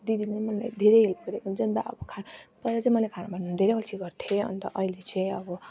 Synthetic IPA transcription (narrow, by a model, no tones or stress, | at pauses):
d̪id̪ilejmʌnla̰jd̪ʱeɾejɦelpʌɾekunt͡sʰʌnt̪aʌ̰bʌkʰanpʌɾat͡sʌĩmʌlekʰanabʱannnd̪ʱeɾeʌt͡sʰiɡʌrt̪ʰjeʌ̰nt̪ʌ̰ʔʌilet͡sʌj̃ʌbʌ